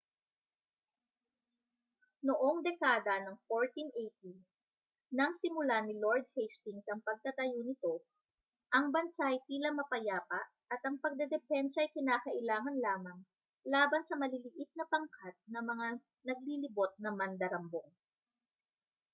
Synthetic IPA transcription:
noʔo̞ŋd̪ɛkaːd̪ɐnɐŋfoɹt̪inʔejt̪̚i | nɐŋsɪmʊlanɪloɹd̪̚hɛjst̪ɪŋsʔɐŋpɐɡ̚t̪ɐt̪ɐjonɪt̪o̞ | ʔɐŋbɐnsajt̪ilɐmɐpɐjaːpɐʔ | ʔɐt̪ɐŋpɐɡ̚d̪ɛd̪ɛpɛnsɐɐjkɪnaːkɐʔɪlaːŋɐnlaːmɐŋ | laːbɐnsɐmɐlɪlɪʔɪt̪̚nɐpɐŋkʰat̪̚nɐmɐŋa | nɐɡ̚lilɪbo̞t̪̚nɐmɐnd̪ɐɾɐmboŋ

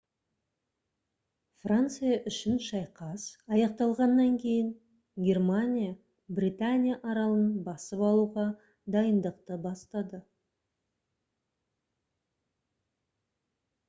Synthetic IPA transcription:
frant̪sɨjaʔʏʃɪnʃɑjqʰɑsɑjɑq̚t̪ɑlˠʁɑnːɑŋkʲʰe̞jɪn | ɡʲe̞rmanʲija | brʲijt̪anʲijaʔɑɾɑlˠənbɑsəpɑlˠuʁɑ | d̪ɑjənd̪əq̚t̪əbɑst̪ɑd̪ə

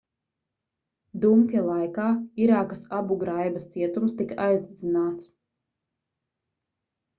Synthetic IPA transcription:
d̪umʲpʲɛlˠajkaːiɾaːkasabuɡɾajbɐst̪siɛt̪umst̪ikajzd̪id̪zinaːt̪s

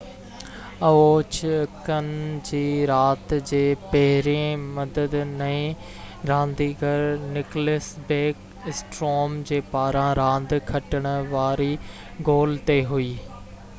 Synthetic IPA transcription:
ɐoːt͡ɕkənd͡ʑiːɾaːt̪d͡ʑeːpɐɦɪɾẽmɐd̪əd̪nɐĩ | ɾãːnd̪iːɡʱəɾnɪkləsbeːk | ɪsʈɾoːmd͡ʑeːpaːɾãɾãːnd̪kʰɐʈəɽ̃ʊ̆ʋaːɾi | ɡoːlt̪eɦuiː

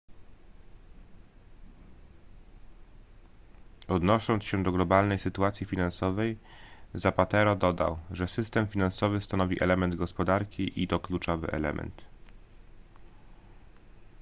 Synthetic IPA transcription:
ɔd̪nɔʂɔnsɕɛd̪ɔɡlɔbalnɛjsɘt̪uat̪sʲjifʲinansɔvɛjzapat̪ɛɾɔd̪ɔd̪a̰wʐɛsɘst̪ɛmfʲinansɔvɘst̪anɔvʲiʔɛlɛmɛnd̪ɡɔspɔd̪aɾkʲʰiʔit̪ɔklut͡ʂɔvɘ̰ʔɛ̰lɛ̰mʔɛ̰nt̪

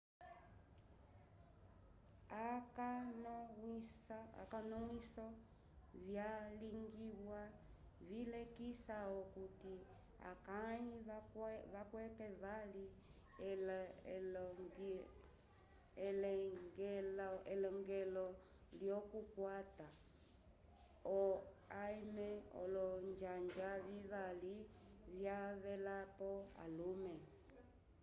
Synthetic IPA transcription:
akania̰kanɔwwisɔ | βjaliŋɡiβwa | vilɛkisaokuti | a̰kai | βakwɛtɛβali | lɡ | lŋɡɛlɛlɔŋɡɛlɔ | ljɔkukwata | ɔaimɛɔ̰lɔɲd͡ʒaɲd͡ʒaβiβali | βjaβɛlapɔa̰lumɛ

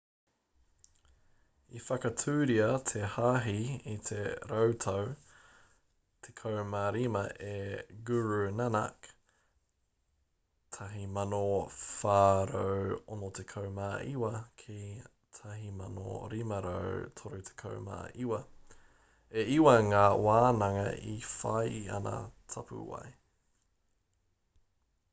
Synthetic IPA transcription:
ifɐkɐtʰʉːɾiɐt̪ʰehaːɦiit̪ʰḛɾowtʰɐw | tʰekʰowmaːɾimɐʔeɡʉɾunana̰k | tʰɐɦimɐnofaːɾowonot̪ʰekʰowmaːiwɐkʰi | tʰɐɦimɐno̰ɾimɐɾo̰wt̪ʰoɾut̪ʰe̥kʰo̰wma̰iwɐ | eiwɐŋaːwaːnɐŋɐifɐjɐ̰nɐ̰tʰɐpʰʉ̰wɐ̰j

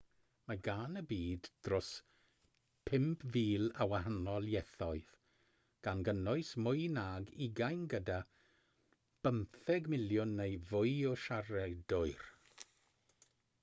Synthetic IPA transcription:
maɡanəbiːdd̥rʊs | pʰɪmpʰviːlˠawaɦanɔlˠjɛθɔɨð | ɡ̥anɡənʊɨsmʊɨjnaɡiɡajnɡəda | b̥əmθɛɡmɪlˠjʊnːejvʊjɔʃaɾɛdʊɨr

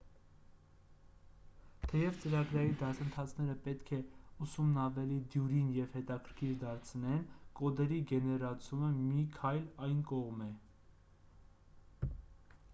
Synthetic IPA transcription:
t̪ʰɛjɛvt͡səɾɑɡɾɑjid̪ɑsənt̪ʰɑt͡sʰnɛɾəpɛt̪kʰɛusumnɑvɛlid̪juɾinjɛvhɛt̪ɑkʰəɾkʰiɾd̪ɑɾt͡sʰnɛnkɔd̪ɛɾiɡɛnɛɾɑt͡sʰuməmikʰɑjlɑjnkɔʁmɛ

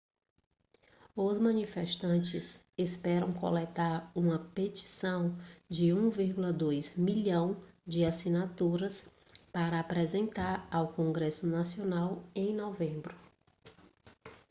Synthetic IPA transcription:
ʊzmɐ̃nifeʃt̪ɐ̃nt͡ʃɪs | espɛɾɐ̃w̃ko̰lɛt̪aɾũmɐpet̪i̥sɐ̃w̃d͡ʒɪũviɾɡulɐd̪ojzmiʎɐ̃w̃d͡ʒɪasinat̪uɾɐspaɾɐːpɾɛzẽnt̪aɾawkõɡɾɛsʊnasionawẽj̃nɔvẽmbɾʊ

